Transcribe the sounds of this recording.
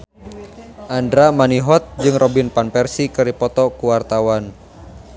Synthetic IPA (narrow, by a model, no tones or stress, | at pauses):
ʔandɾamaniɦɔt̪̚d͡ʒɨŋrɔbinpanpɛrsikəɾipɔt̪ɔkuwart̪awan